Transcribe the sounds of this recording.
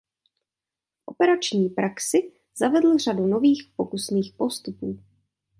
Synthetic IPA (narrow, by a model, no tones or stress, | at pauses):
ʔo̞pɛɾat͡ʃɲiːpɾaksɪ | z̥avɛdl̩r̝aduno̞viːxpokusniːxpo̞st̪upuː